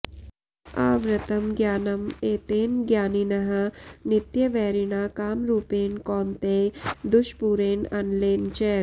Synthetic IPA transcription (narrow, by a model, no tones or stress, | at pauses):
aːʋɾɐt̪ɐmɡjaːnɐmeːt̪eːnɡjaːninɐɦɐnɪt̪jəʋɛːɾɪnaːkaːmɾuːpeːnkɔːnt̪eːd̪ʊʃpuːɾeːnɐnleːnt͡ʃɛː